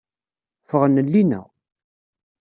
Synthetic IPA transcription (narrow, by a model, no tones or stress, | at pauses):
fəʁənːəlːinæ̰